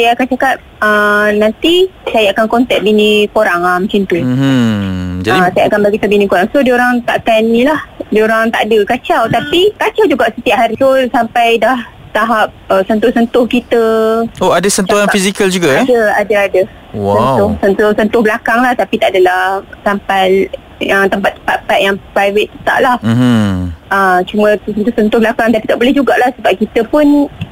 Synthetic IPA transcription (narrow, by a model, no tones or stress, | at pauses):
sajaːkant͡ʃakap̚ | ənant̪isajaːkankɔnt̪ɛt̪̚binĩkoɾaŋamət͡ʃint̪u | d͡ʒaisajaakanbaɡit̪obinĩkoɾaŋsodioɾaŋt̪aʔkanilahdioɾaŋt̪a̰ʔadəkat͡ʃawt̪apikat͡ʃawd͡ʒuɡaʔsət̪iaʔ̚ɦaɾit̪osampajdah | t̪aɦap̚əsənt̪ʊhsənt̪ʊhkit̪əoadasənuanfizikald͡ʒuɡaaɛdaadaadə | wsənt̪ʊhsənt̪ʊhsənt̪ʊhblakaŋlaht̪apit̪aʔadalahsampal | jət̪əmpat̪ːəmpat̪pat̪̚jaŋpɾajvɪt̪̚ːət̪a̰ʔlah̩ | ʔət͡ʃumə̃sənt̪ʊsənt̪ʊhbəlakaŋt̪apit̪aʔbolɛhd͡ʒuɡaʔlahsəbap̚kit̪əpʊn